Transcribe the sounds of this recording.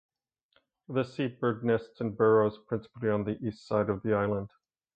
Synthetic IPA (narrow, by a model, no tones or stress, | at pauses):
ðɨsit̚b̥ɜ˞ɡ̚nɛstsɨ̃nbɛɹoʊz̥pʰɹ̥ɪ̃nsə̥pl̩ˠiə̃nðiʔistsaɪɾʌvðiaɪlˠə̃nd̥